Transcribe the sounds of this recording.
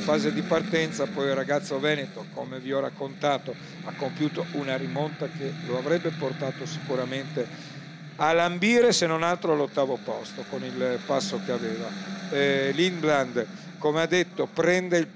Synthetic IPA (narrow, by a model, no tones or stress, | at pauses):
faːzed̪ipart̪ɛnt̪sapɔjirːaɡat̪sːovɛːnet̪okomeviɔrakːont̪aːt̪o | akːompjuːt̪ounaɾimont̪akeloavɾɛbːeport̪aːt̪osi̥kuɾament̪e | alambiːɾesenːonalt̪ɾoalːot̪ːaːvopɔst̪okonilpasːokeaveːva | linbland̪ | komead̪ːet̪ːopɾɛnd̪eil